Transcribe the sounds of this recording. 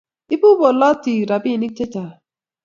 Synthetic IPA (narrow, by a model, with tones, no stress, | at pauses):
i˦bu˦bo˨lɔ˦ti˨ɾa˨bi˦˨ni˦k̚te˦ta˨